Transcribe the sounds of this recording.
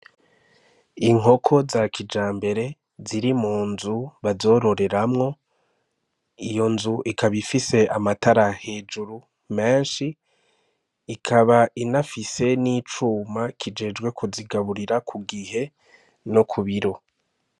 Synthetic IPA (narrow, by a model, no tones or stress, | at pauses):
iŋ̥o̞kʰo̞zakʰid͡ʒaːmbe̞ɾe̞ | ziɾimuːnzuβazo̞ɾo̞ɾe̞ɾamŋo̞ | ijo̞nzuʔikaβifise̞ʔamataɾahe̞ːd͡ʒuɾu | me̞ːnʃi | kʰaβainafise̞nit͡ʃuːmakʰid͡ʒe̞ːd͡ʒɡwe̞kʰuziɡaβuɾiɾakʰuɡihe̞ | nokʰuβiɾo̞